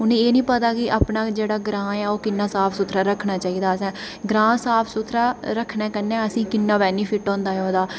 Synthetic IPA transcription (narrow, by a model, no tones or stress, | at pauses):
ʊnẽːeːnĩːpət̪aːkɪʔaːpnaːd͡ʒeːɽaːɡɾãːjaːoːkɪnːaːsaːpʰsʊt̪ʰɾaːɾəkʰnaːt͡ʃaːiːd̪aːəsɛ̃ː | ɡɾãːsaːpʰsʊt̪ʰɾaːɾəkʰnẽːkənːɛ̃ːəsĩːkɪnːaːʋɛːniːpʰɪʈɔ̃ːnd̪aːɦoːd̪aː